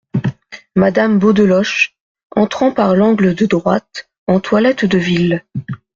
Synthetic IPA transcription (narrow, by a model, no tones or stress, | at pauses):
mad̪ambod̪əlɔʃ | ɑ̃t̪χɑ̃paʁlɑ̃ɡləd̪əd̪ʁwat̪ | ɑ̃t̪walɛt̪d̪əvil